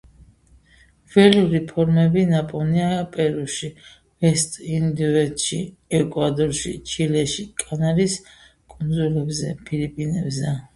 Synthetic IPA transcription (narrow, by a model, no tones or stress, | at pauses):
vɛluɾipʰɔɾmɛbinapʼɔniapʼɛɾuʃi | vɛst̪ʼind̪uɛt̪ʃḭ | ɛkʼwad̪ɔɾʃḭt͡ʃʰilɛʃikʼanaɾis | kʼund̪zulɛbzɛ̰pʰilipʼinɛbzɛ